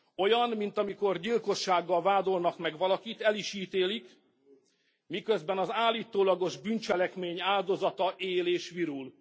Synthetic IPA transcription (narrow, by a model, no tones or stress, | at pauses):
o̞jɒnmint̪ɒmiko̞rɟilko̞ʃːaːɡːɒlvaːd̪o̞lnɒkmɛɡʋɒlɒkit̪ɛliʃiːt̪eːlik | mikø̞zbɛnɒzaːliːt̪oːlɒɡo̞ʒbynt͡ʃɛlɛkmeːɲaːld̪o̞zɒt̪ɒʔeːleːʃʋiɾul